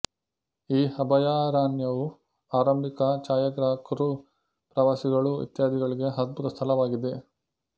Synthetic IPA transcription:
iːɐbʱɐjaːɾaːnjɐʋu | aːɾɐmbʱikɐt͡ʃaːjɐɡɾaːkɾu | pɾɐʋaːsiɡɐɭuʋḭt̪jaːd̪ʱiɡɐɭiɡe̞ɦɐd̪̚but̪ɐst̪ʰɐlɐʋaːɡid̪e

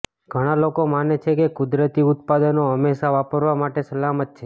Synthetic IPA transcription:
ɡʱəɽ̃alokomanet͡ʃʰekekʊd̪ɾət̪iʊt̪̚pad̪ənoɦəmːeʃaʋapəɾʋamaʈesəlamət̪̚t͡ʃʰe

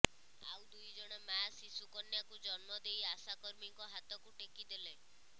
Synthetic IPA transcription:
a̰wd̪ujd͡ʒɔɽ̃emasisukɔnjakud͡ʒɔnmɔd̪ejasakɔɾmiŋkɔɦat̪ɔkuʈekid̪ele

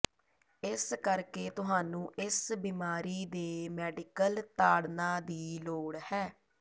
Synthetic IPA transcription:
ɪskəɾkeːt̪ʊɦaːnũːʔɪsbiːmaːɾiːd̪eːmɛːɖɪkəlt̪aːɽnãːd̪iːloːɽhɛː

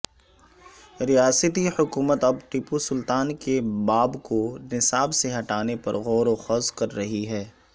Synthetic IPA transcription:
ɾijaːsət̪ihʊkuːmət̪ɐbʈɪpusʊlt̪aːnkebaːbkonɪsaːbseɦɐʈaːnepɐ̰ɾɣɔːɾoxɐzkɐɾːɐɦiɦɛː

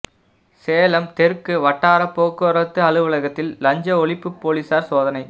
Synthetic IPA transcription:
seːlɐmt̪ɛɾkɯʋɐʈːaːɾɐpːoːkːɯɐɾɐt̪ːɯɐɭɯʋɪɭɐɣɐt̪ːɪllɐɲd͡ʒɐɔɭɪpːɯpːoːlisaːɾsoːðɐnɐɪ

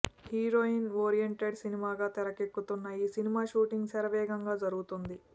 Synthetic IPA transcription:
hiːɾoːinʋoːɾijeɳʈeɖsinimaːɡaːt̪ɛɾɐkekːut̪unːɐjiːsinimaːʃuːʈiŋɡsɐɾɐʋɛːɡɐŋɡaːd͡ʒɐɾuɡut̪und̪i

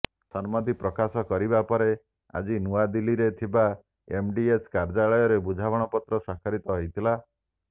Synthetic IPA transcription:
sɔnmɔd̪ipɾɔkasɔkɔɾibapɔɾe | a̰d͡ʒinuad̪iliɾet̪ʰiba | emɖieskaɾd͡ʒaɭɔjɔɾebud͡ʒʱabɔɽ̃ɔpɔt̪ɾɔsakʰaɾit̪ɔɦɔjt̪ʰila

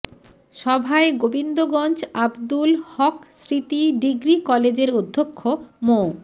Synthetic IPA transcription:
ʃɔbʱaeɡobind̪oɡɔnd͡ʑabd̪ulhɔksɾit̪iɖiɡɾikɔled͡ʑeɾud̪ʱːokʰːomo

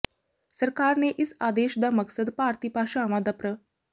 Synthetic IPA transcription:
səɾkaɾneʔɪsad̪eːʃd̪aməksəd̪paɾt̪iːpaʃaːʋad̪apɾə

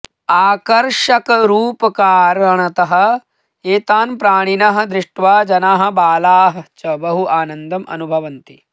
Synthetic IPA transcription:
aːkɐɾʂɐkɐɾuːpɐkaːɾɐɳ̃ɐt̪ɐɦɐ̆ | eːt̪aːnpɾaːɳ̃inɐɦɐ̆d̪ɾɪʂʈʋaːd͡ʒɐnaːɦɐ̆baːlaːɦɐ̆t͡ʃɐbɐɦuʔaːnɐnd̪ɐmʔɐ̰nubʱɐʋɐnt̪i

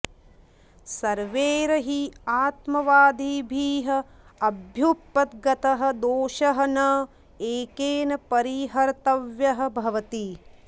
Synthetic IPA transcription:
sɐɾʋeːɾɐɦiaːt̪mɐʋaːd̪iːbʱiːɦɐ̆ | ɐbʱjupːɐt̪ɡɐt̪ɐɦɐ̆d̪oːʃɐɦɐnɐ | eːkeːnɐpɐɾiɦɐɾt̪ɐʋjɐɦɐ̆bʱɐʋɐt̪i

